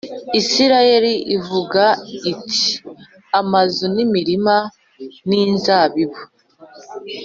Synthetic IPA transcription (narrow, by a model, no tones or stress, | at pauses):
isiɾaje̞ɾiʔivuɡaitʰi̥ | amazunimiɾima | ninzaːβiβo